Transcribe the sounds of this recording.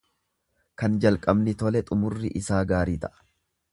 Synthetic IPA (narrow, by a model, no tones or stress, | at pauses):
kɐnd͡ʒɐlkʼɐbnɪt̪ɔlɛt̪ʼʊmʊrːɪʔɪsaːɡaːɾiːt̪ɐʔɐ̥